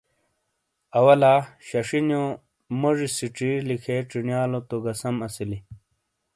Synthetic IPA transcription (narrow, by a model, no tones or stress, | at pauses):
ɐwɐlaːɕɐʂinjo | moʐisiʈ͡ʂilikʰeʈ͡ʂinijaːlot̪oɡɐsɐmɐsili